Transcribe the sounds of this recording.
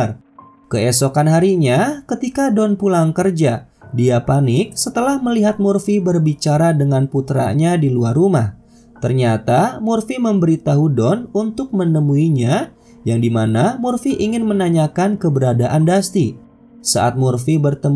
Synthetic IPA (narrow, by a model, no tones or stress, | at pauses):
r | kəɛsokanɦaɾiɲakət̪ikadɔnpulaŋkərd͡ʒa | diapanɪk̚sət̪əlahməliɦat̪̚murfibərbit͡ʃaɾadəŋanput̪ɾa̰ɲadiluarumah | t̪ərɲat̪amurfiməmbəɾit̪aɦudɔnunt̪ʊk̚mənəmuiɲa | jaŋdimanamurfiʔiŋɪnmənaɲakankəbəɾadaʔandast̪i | sa̰ʔat̪̚murfibərt̪əm